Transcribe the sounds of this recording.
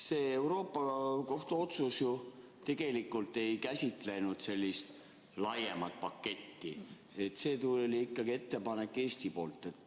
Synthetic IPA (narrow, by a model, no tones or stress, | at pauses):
se̞ːe̞wɾo̞ːpːɑko̞ht̪uo̞t̪susju | t̪e̞ɡ̥e̞likːˑult̪ːˑe̞jkæsʲit̪ˑle̞nud̪̥se̞lʲːist̪ | lɑje̞mɑt̪̚pɑkːe̞t̪ːḭ | e̞t̪se̞ːt̪ulolʲiikːɑɡ̥ie̞t̪ːe̞pɑne̞kːˑe̞ːsʲt̪ipo̞ːlt̪ˑːe̞t̪ː